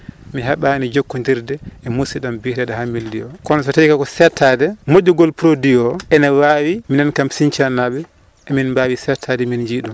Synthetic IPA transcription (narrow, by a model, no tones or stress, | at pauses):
miɦaɓaːnid͡ʒokːɔndiɾdɛɛmusiɗambihdɛdaɦamːildiɔkɔnɔsɔtaikakɔsɛtʰːadɛmoɟːuɡɔlpɾodiɔʔɛnawaːwiminankamsiɲt͡ʃanːaɓɛ | ʔɛminmbaːwisɛɾtʰadɛmind͡ʒiːɗum